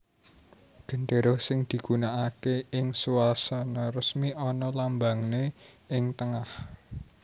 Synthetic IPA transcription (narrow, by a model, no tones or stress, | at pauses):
ɡ̥ə̤ɳɖe̤ɾosɪŋd̪̥i̤ɡ̥unaʔakeɪŋsuwalsanɔrəsmiʔɔnɔlambaŋne | ɪŋt̪əŋah